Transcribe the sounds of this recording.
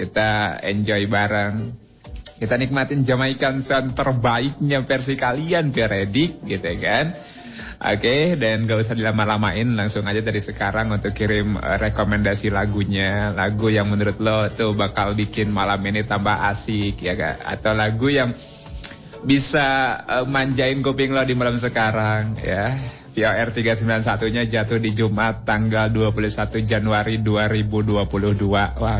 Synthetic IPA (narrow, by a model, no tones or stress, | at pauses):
kit̪aɛ̰ɲd͡ʒɔibaɾaŋ | kit̪anik̚mat̪ɪnd͡ʒamaikansant̪ərbaɪk̚ɲafɛrs̬ikalianfioɾedɪk̚ɡit̪ujakan | ʔo̰kedanɡausahdilamalamaʔɪnlaŋsʊŋad͡ʒat̪adisəkaɾaŋunt̪ʊkːiɾɪmə̰ɾekomɛndasilaɡuɲalaɡujaŋmənuɾʊt̪̚lɔt̪uhbakalbikɪnmalaminit̪ambaha̰sɪkjaɡa̰ʔa̰t̪awlaɡujaŋ | bisaəmaɲd͡ʒaɪnkopɪŋlɔhdimalams̬əkaɾaŋja | fioɛrt̪iɡasəmbilansat̪uɲad͡ʒat̪ʊhdid͡ʒumʔat̪ːaŋɡalduapulʊhsat̪ud͡ʒanuaɾiduaɾibuduapulʊhduawa